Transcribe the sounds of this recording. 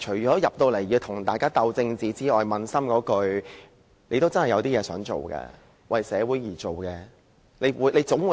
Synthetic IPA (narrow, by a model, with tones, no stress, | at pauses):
t͡ʃʰɵ˨˩t͡ʃɔː˨˥jɐ˨p̚t̪o˧wle˨˩jjiː˧wt̪ʰʊ˨˩ŋt̪aː˨jkaː˥t̪ɐ˧wt͡sɪ˧ŋt͡siː˨˧t͡siː˥ɔː˨˩jmɐ˨˧nsɐ˥mkɔː˨˥kɵ˧ɥ | ne˨˧jt̪o˥wt͡sɐ˥nhɐ˨˩jɐ˧wt̪iː˥jɛː˨˧sœː˨˥ŋt͡ʃo̰˨wkɛ̰ː˧ | wʔɐ˨˩jsɛː˨˧wuː˨˥jjiː˨˩t͡ʃo˨wkɛː˧ | le˨˧jwuː˨˧˥le˨˧jt͡sʊ˨˥ŋwuː˨˧